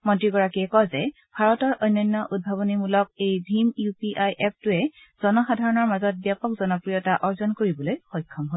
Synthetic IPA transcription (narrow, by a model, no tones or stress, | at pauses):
mɔntɹiɡɔɹakiɛkɔzɛ | bʱaɹɔtɔɹɔjnːɔnːɔʔud̚bʱaβɔnimulɔk̚ejbʱimjupiʔajʔɛp̚ʰtʊɛ | z̥ɔnɔxadʱaɹɔnɔɹmazɔt̚bjapɔk̚zɔnɔpɹijɔtaʔɔɹzɔnkoɹibɔlojxɔjkʰːɔmɦo